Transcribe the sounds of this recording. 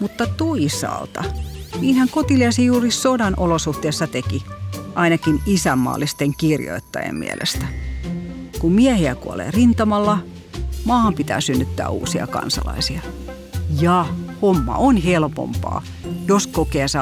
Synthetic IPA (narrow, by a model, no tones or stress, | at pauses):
mut̪ːɑt̪oisɑ̰lt̪ɑ̰niːnhæŋkot̪ileɑsijuːrissodɑnʔolosuht̪eːsːɑt̪ekiʔɑinɑkinisæmːɑ̰ːlːist̪eŋkirjo̰it̪ːɑjḛmmḭæ̰lʔḛst̪æ | kummiɛhiækuo̰lḛːrint̪ɑmɑlːɑ | mɑːɑmpit̪æ̰ːsynːyt̪ːæ̰ːṵːsiɑ̰kɑ̰nsɑ̰lɑ̰isiɑ | jɑhomːɑ̰ʔonhelpo̰mpɑ̰ː | joskokeːsɑ